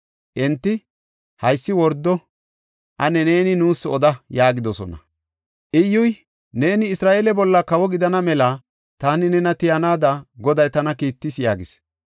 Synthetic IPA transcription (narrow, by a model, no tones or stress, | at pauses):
ʔɛnt̪ːɪ | hɐjsːɪwɔɾd̪ːɔ | ʔɐnɛneːnɪnuːsɔd̪ɐjaːɡɪd̪ɔsɔ̰nɐ̰ | ʔɪjːʊj | ne̞ːnɪɪsɾaːʔeːlɛbɔlːɐkɐwɔɡɪd̪ɐnɐmɛlɐ | t̪aːnɪnɛnɐt̪ɪjɐnaːd̪ɐɡɔd̪ɐjt̪ɐnɐkiːt̪ːɪsjaːɡɪs